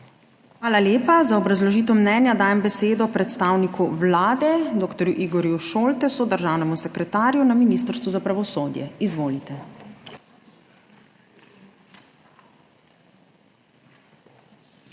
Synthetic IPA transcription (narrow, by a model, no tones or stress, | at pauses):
xʋaːlaljeːpazaɔbɾazlɔʒiːt̪ɔmnɛnjad̪aːjɛmbɛseːd̪ɔpɾɛt̪st̪aːwnikuʋlaːd̪ɛd̪oːkt̪ɔɾjuʔiːɡɔɾjuʃoːlt̪ɛsɔd̪əɾʒaːwnɛmusɛkɾɛt̪aːɾjunaminist̪əɾst̪ʋuzapɾaʋɔsoːd̪jɛ̰izʋoːlit̪ɛ